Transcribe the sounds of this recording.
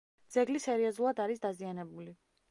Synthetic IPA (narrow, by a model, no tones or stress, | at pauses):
d̪z̥ɛɡlisɛɾiɔzulˠad̪aɾisd̪azianɛbuli